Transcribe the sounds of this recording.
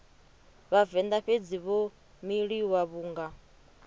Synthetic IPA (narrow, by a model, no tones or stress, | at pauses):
βavɛnd̪aɸed͡ziβo | miɺiwaβuːŋɡa